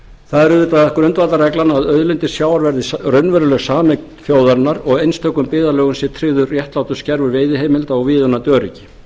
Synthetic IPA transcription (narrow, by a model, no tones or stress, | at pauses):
θaðɛɾʏɪt̪aðɛhkʏɾʏnt̪vat̪aɾɛklanaaðœðlɪnt̪ɪsjaːwaɾvɛɾðɪsrœnvɛɾʏlœɣsaːmɛk̪̚ | fjoːwðaɾnaɾɔɣejnst̪ʰœkːʏmpɪːðalœːɣʏmsjɛt̪ʰɾɪɣðʏːjɛht̪laːwt̪ʏ̥scɛɾvʏɾveːjðɪɦeːjmɪlt̪aɔɣviːðʏnat̪œːɾicɪ̥